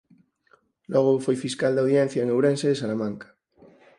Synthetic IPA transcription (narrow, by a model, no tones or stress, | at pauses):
loɣ̞ofojfiskald̪awðjẽnθjaeŋewɾenseðesalamãŋkḁ